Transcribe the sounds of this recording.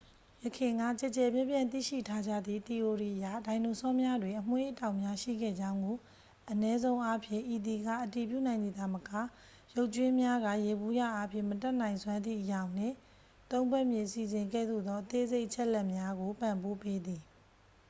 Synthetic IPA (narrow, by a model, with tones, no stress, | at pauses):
jəkʰɪ̃˨ŋɡa̰˦˨t͡ɕɛ˦˨t͡ɕɛ˨bjɪ̃˦˨mpjã˨nt̪ḭ˦˨ʃḭ˦˨tʰa˦d͡ʑä̰˦˨d̪ðḭ˦˨t̪i˨ʔo˨ɹi˨ʔəja̰˦˨dã˨ɪ̃no˨sɔ˦mja˦dwɪ̃˨ʔəm̥we˦ʔtã˦˨ʊʔmja˦ʃḭ˦˨ɡɛ̰˦˨d͡ʑã˦ʊ̃ŋɡo˨ | ʔənɛ˦zõ˦ʊ̃ʔa˦pʰjɪ̰̃˦˨ʔi˨d̪i˨ɡa̰˦˨ʔəti˨pjṵ˦˨nã˨ɪ̃nd̪ði˨d̪a˨məka˦˨ | jo˦ʊʔt͡ɕwɪ̃˦mja˦ɡa̰˦˨je˨bu˦ja̰˦˨ʔa˦pʰjɪ̰̃˦˨mətɛ˦ʔn̥ã˨ɪ̃swã˦nd̪ðḭ˦˨ʔəjã˨ʊ̃n̥ɪ̰̃˦˨ | t̪õ˦ʊ̃mbwɛ˦˨mjɪ̃˨si˨zɪ̃˨ŋɡɛ̰˦˨d̪o̰˦˨d̪ɔ˦ʔət̪e˦ze˦ɪʔət͡ɕʰɛ˦ʔlɛ˦ʔmja˦ɡo˨pã˨mpo˦pe˦d̪i˨